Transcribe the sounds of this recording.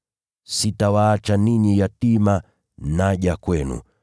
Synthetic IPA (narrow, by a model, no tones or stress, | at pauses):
sitawaːt͡ʃaniɲijatima | naʄakwɛnṵ